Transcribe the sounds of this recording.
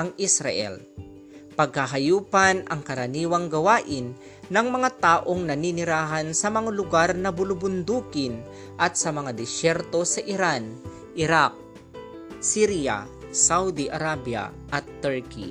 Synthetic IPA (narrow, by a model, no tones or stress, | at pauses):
ɐŋʔɪsɾa̰ʔɛ̰l | pɐɡ̚hɐɦɐjuːpanʔɐŋkɐɾɐniːwɐŋɡɐwaːʔɪnː | ɐŋmɐŋat̪aːʔoŋnɐninɪɾaːɦansɐmɐŋalʊɡaɾnɐbʊlʊbʊnd̪uːkɪn | ʔɐt̪̚sɐmɐŋad̪ɛsɛɾt̪o̞sɐʔɪɾan | ʔɪɾak̚ | siɾja̰ | sawd̪iʔɐɾabja̰ | ʔɐt̪ːɛɹkḭ